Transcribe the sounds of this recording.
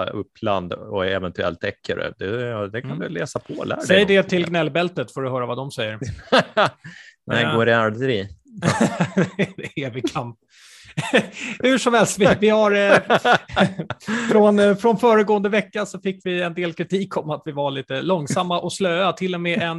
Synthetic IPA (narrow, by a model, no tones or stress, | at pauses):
ɵ̰pːla̰nd̪ɔɛvɛnt̪ɵɛ̰lt̪ʰɛkʰːə̰ɾɛ̰d̪ɛd̪ɛkʰand̪ɵlɛːsapʰɔlæ̰ːsɖɛjəɖɛt̪ʰɪlɡnɛlːbɛlt̪ət̪foːɖɵɦœːɾavad̪ɔmsɛjːəɾ | nɛɪɡoːɾɪaɖɾiː | eːvɪkʰamp̚ | hʉ̟ʂɔmhɛlst̪vɪvɪhaɾ | fɾɔnfɾɔnfœːɾəɡoːənd̪əvɛkːasɔfɪkːvɪɛnd̪eːlkʰɾɪt̪ʰiːkʰɔmat̪vɪvaɭiːt̪əlɔŋsamːaʔɔsløːat̪ʰɪlːɔmɛːʔɛn